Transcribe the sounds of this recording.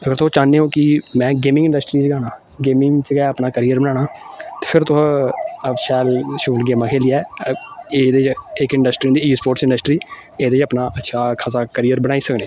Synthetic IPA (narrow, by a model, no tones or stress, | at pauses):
əɡəɾt̪ʊt͡ʃaːneːõːkɪmɛ̃ːɡeːmɪ̃ŋɡɪ̃ɳɖəsʈɾiːt͡ʃɡaːnaː | ɡeːmɪ̃ŋt͡ʃɡɛəpnaːkəɾiːəɾbənaːɽaːt̪eːpʰɪɾt̪ʊ̃əʃɛːlʃuːlɡeːmãːkʰeːliːɛː | eːd̪eːt͡ʃɪkɪ̃ɳɖəsʈɾiːd̪iːiːspoːɾʈsɪ̃ɳɖəsʈɾiːeːd̪eːt͡ʃəpnaːʔətːʃʰaːkʰasaːkəɾiːəɾbənaːiːsəkneː